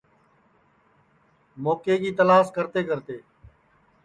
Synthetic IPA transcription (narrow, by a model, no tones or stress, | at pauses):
moːkeːkiːt̪əlaːskəɾt̪eːkəɾt̪eː